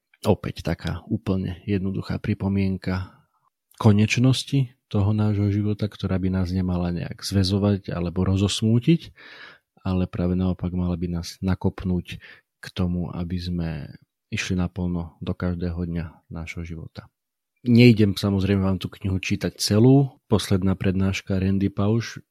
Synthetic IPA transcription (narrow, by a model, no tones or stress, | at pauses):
ɔpɛ̰ct̪akʰa̰ːuːpl̩ɲɛ̰jɛd̪̚nɔd̪uxa̰ːpɾipɔmɪɛŋka | kɔɲɛt͡ʃnɔscit̪ɔɦɔnaːʒɦɔʒiʋɔt̪akt̪ɔɾaːbinaːzɲɛmalaɲɛ̰a̰ɡz̥ʋɛzɔʋaɟa̰lɛbɔɾɔzɔsmuːcic | alɛpɾaːʋɛnaɔpaɡmalabinaːz̥nakɔpnuːc | kt̪ɔmuʔa̰bizmɛ̰ | iʃlinapl̩nɔd̪ɔkaʒd̪ɛːɦɔd̪ɲanaːʒɦɔʒiʋɔ̰t̪ḁ | ɲɛiɟɛmsamɔzɾɛɪmɛʋaːmt̪uːkɲiɦut͡ʃiːt̪ac̚t͡sɛluːpɔslɛd̪naːpɾɛd̪naːʃkaɾɛnd̪ipaʊʃ